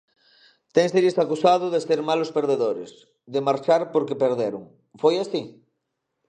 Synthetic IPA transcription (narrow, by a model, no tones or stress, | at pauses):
t̪eŋseɾisakusað̞ʊðeseɾmalospeɾð̞eðoɾḛs | ðemaɾt͡ʃaɾpoɾkepeɾðeɾuŋ | fojasi